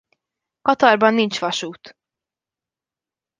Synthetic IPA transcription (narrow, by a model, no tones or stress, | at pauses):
kɒt̪ɒrbɒnːint͡ʃʋɒʃuːt̪